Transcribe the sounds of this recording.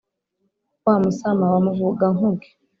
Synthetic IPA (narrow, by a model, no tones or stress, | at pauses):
wamusamawamuvuɡaŋuɡi̥